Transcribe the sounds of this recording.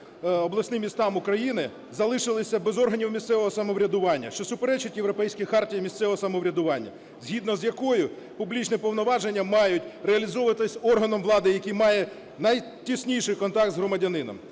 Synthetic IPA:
ɔblˠɐsʲnɪmːʲist̪ɑmʊkɾɐjinɪ | zɐlˠɪʃɪlˠɪsʲɐbɛzɔrɦɐnʲiwmʲist̪sɛʋɔɦɔsɐmɔʋɾʲɐd̪ʊʋɑnʲːɐ̰ʃt͡ʃɔsʊpeɾɛt͡ʃʊtʲjeʋɾɔpɛjsʲkʲixɑrtʲijimʲist̪sɛʋɔɦɔsɐmɔʋɾʲɐd̪ʊʋɑnʲːɐ̰ | z̥ʲɦʲid̪nɔzjɐkɔjʊ | pʊblʲit͡ʃnɛpɔʋnɔʋɑʒenʲːɐmɑjʊtʲreɐlʲizɔʋɐt̪ɪsʲɔrɦɐnɔmʋlˠɑd̪ɪjɐkijmɑjɛ | nɐj | tʲisʲnʲijʃɪjkɔnt̪ɑk̚t̪zɦrɔmɐdʲɐnɪnɔ̰m

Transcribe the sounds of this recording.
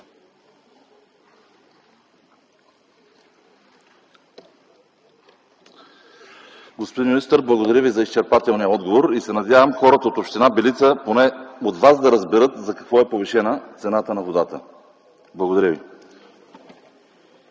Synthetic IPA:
ɡospod̪inist̪əɾblˠɐɡod̪ɐɾʲəvizɐist͡ʃɛɾpat̪ɛlˠnijəɔd̪ɡovoɾisɛnɐd̪ʲjavəmxɔɾət̪əot̪opʃt̪ɛnabɛlit̪səponɛod̪vazd̪ɐɾəzbɛɾɤt̪zɐkɐkvɔɛpoviʃɛnət̪sɛnat̪ənɐvod̪at̪ə | blˠɐɡod̪ɐɾʲəvḭ

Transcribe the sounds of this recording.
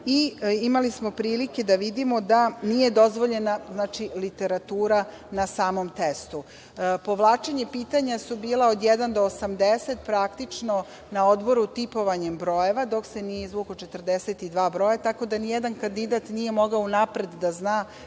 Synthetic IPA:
iimalismo̞pɾiːlike̞d̪aʋid̪imo̞d̪anije̞d̪o̞zʋo̞ʎe̞naznaːt͡ʃilit̪e̞ɾat̪uːɾa | nasaːmo̞mt̪est̪u | po̞ʋlˠaːt͡ʃe̞ɲe̞piːt̪aɲasubiːlˠaod̪jed̪and̪o̞ːsamd̪eset̪pɾakt̪it͡ʂno̞ | naod̪bo̞ɾut̪ipo̞ʋaɲembɾo̞je̞ʋad̪o̞kse̞nije̞zʋukot͡ʃet̪r̩d̪eset̪id̪ʋaːbɾo̞jat̪ako̞d̪anijed̪ankand̪id̪at̪nije̞mo̞ɡaonapɾe̞d̪ːaznaː

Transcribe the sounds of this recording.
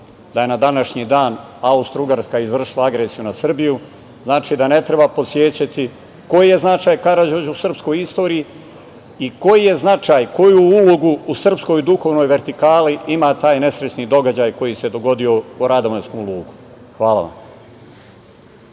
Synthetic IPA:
d̪aje̞nad̪anaʃɲid̪aːnaust̪ɾuɡaɾskaizʋr̩ʃilˠaaɡɾesijunasr̩biju | znaːt͡ʃiːd̪ane̞t̪ɾe̞bapo̞t̪sje̞ːt͡ɕat̪i | ko̞jije̞znat͡ʃaːjkaɾad͡ʑod͡ʑusr̩psko̞jist̪o̞ːɾii | iko̞jije̞znat͡ʃaːjko̞juuloɡuːsr̩psko̞jd̪uxo̞ːʋno̞ːjʋe̞ɾt̪ikaːliimaːt̪aːjne̞sɾet͡ʃnid̪o̞ɡad͡ʑaːjko̞jise̞d̪o̞ɡo̞d̪io̞uɾad̪oʋenskomlˠuːɡu | xʋaːla̰ʋa̰m

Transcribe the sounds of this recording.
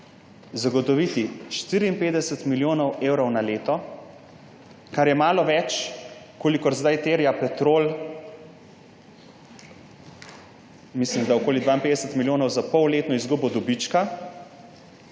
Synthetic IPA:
zaɡɔt̪ɔʋit̪iʃt̪iːɾiːmpeːd̪ɛsət̪miljoːnɔweːwɾɔwnaleːt̪ɔ | kaɾjɛmaːlɔʋɛt͡ʃ | koːlikɔɾzd̪ajt̪eːɾjapɛt̪ɾoːl | mislimd̪aɔkoːlid̪ʋaːinmpeːd̪ɛsət̪miljoːnɔwzapɔwleːt̪nɔizɡubɔd̪ɔbit͡ʃka

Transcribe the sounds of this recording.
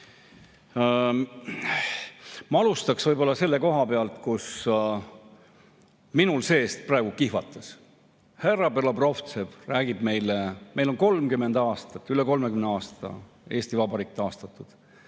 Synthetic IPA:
mɑɑlust̪ɑksvɤjbo̞lːɑse̞lːe̞ko̞ɦɑpe̞ɑlt̪kus | minulse̞ːst̪̚prɑe̞ɡukihvɑt̪ːˑɑs | herɑpelɑbro̞ft̪sevræːɡ̥ib̥me̞jlemʔe̞jlo̞nko̞lmkymːe̞nd̪̥ɑːst̪ɑt̪ːˑyleko̞lmekymneɑːst̪ɑ̰ | e̞ːsʲt̪ivɑbɑɾik̚t̪ːɑːst̪ɑt̪ːˑud̪̥

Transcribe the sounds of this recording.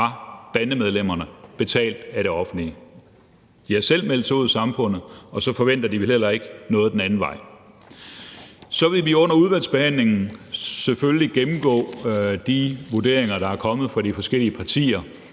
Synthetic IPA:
ɑ̈b̥ænəmeð̞ˠlem̰ɐnəb̥e̝t͡sʰɛ̰ːld̥æɾe̝ɒ̽fn̩li | d̥iɑsel̰mel̰d̥sʰo̰ðˠsɑ̈mfɔ̽n̰ð̩ˠɒ̽sɒ̽fɒ̽ʋen̰d̥ɐd̥iʋilhel̰ɐe̝ɡ̥nɔ̽ːðˠd̥enænn̩ʋɑ̈ɪ̰ | sɒ̽ʋe̝lʋiɔ̽n̰ɐuðˠʋæl̰sb̥e̝hæn̰le̝ŋn̩sefølliɡ̥emm̩ɡ̥ɔ̰̽ːd̥iʋuɐd̥e̝̰ɐe̝ŋɐɾ̥ɑ̈æɐkʰɒ̽mð̞̩ˠfɑ̈ɾifɒ̽sɡ̥el̰iəpʰɑ̈t͡sʰḭːɐ

